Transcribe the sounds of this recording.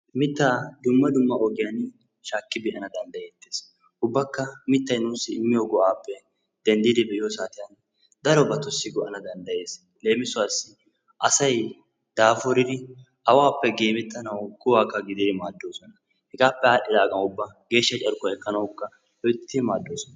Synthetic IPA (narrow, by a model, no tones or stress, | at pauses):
mɪt̪ːaːd̪ʊmːɐd̪ʊmːɐʔɔɡɪjan | ʃaːkːɪbɪʔɐnɐd̪ɐnd̪ɐjet̪ːeːs | ʔʊbːɐkːɐmɪt̪ːɐjnuːsːɪːmːɪjoɡɔʔaːpːɛ | d̪̥ɛnd̪iːd̪ɪbɛʔɪjɔsaːt̪ɪjɐn | d̪ɐɾɔbɐt̪ɔsːɪɡɔʔɐnɐd̪ɐnd̪ɐje̞ːs | le̞ːmɪsʊwaːsːɪ | ʔɐsɐj | d̪̥aːfɔɾɪd̪ɪ | ʔɐwaːpːɛɡeːmɛt̪ːɐnɐwɡʊwaːkːɐɡɪd̪ɪd̪ɪmaːd̪ːoːsɔnɐ | hɛɡaːpːɛaːɗːɪd̪aːɡʼɐnʊbːɐɡe̞ːʃːɐt͡ʃʼɐɾkɔɛkːɐnɐwʊkːɐ | ɔjt̪ːmaːd̪ːo̞ːsɔnɐ